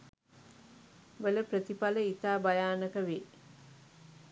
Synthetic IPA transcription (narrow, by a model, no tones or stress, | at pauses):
ʋələpɾət̪ipaləit̪aːbajaːnəkəʋe